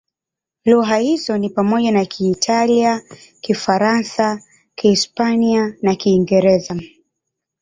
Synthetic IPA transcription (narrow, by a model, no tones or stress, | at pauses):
lɔɦahizɔnipamɔʄanakʰiːtʰaliakifaɾansa | kiispanianakiːŋɡɛɾɛza